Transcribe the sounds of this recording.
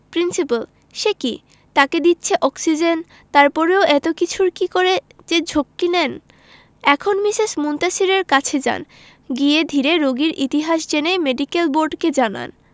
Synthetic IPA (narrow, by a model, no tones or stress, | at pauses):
pɾinsipəl | ʃeki | t̪aked̪itːɕʰeʔɔksid͡ʑen | t̪aɾpɔɾeoʔɛt̪okit͡ɕʰuɾkikoɾed͡ʑed͡ʑʱokːilɛn | ɛkʰonmiʃeʃmunt̪aʃiɾeɾkat͡ɕʰed͡ʑa̰n | ɡied̪ʱiɾeɾoɡiɾʔit̪iɦaʃd͡ʑenejmeɖikelboɾɖked͡ʑana̰n